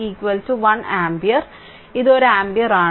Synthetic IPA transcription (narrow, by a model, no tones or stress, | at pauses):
iːkwɐltuʋɐnæːmbiɐr | iðoɾuæːmbijɐɾaː